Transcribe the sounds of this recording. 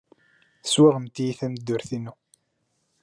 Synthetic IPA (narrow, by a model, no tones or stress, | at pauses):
swaʁəmt̪ijiθæməd̪ːʊɾθinu